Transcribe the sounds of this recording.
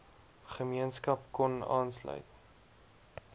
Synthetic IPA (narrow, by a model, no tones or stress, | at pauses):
χəmiənskɐpkɔnɑ̰ːnslœ̰ɥt̚